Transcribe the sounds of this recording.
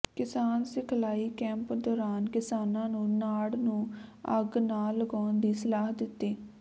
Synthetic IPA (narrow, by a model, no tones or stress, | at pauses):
kɪsaːnsɪkʰlaːiːkɛ̃ːmpd̪ɔːɾaːnkɪsaːnãːnũːnaːɽnũːəɡnaːlːəɡaːnd̪iːsəlaːɦd̪ɪt̪ːeː